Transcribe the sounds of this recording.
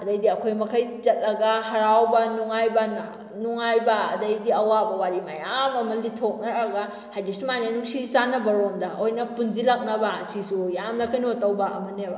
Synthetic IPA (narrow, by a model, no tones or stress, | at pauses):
ɐdɐjdiɐkʰojmɐkʰajt͡ʃɐt̚lɐɡahɐɾawbɐnuŋajbɐ | nuŋajbɐ̰ːdɐjdiɐwabɐwaɾimajamɐmɐlditʰok̚nɐɾɐɡa | hajdisumanenuksisanɐbɐɾomdɐojnɐpunzilak̚nɐbasisujamlɐkajnotɐwbɐɐmɐneba